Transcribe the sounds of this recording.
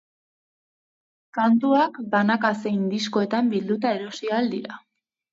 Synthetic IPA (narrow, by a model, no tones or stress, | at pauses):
kant̪uakbanakase̞ind̪isko̞e̞t̪ambild̪ut̪ae̞ɾo̞siald̪iɾa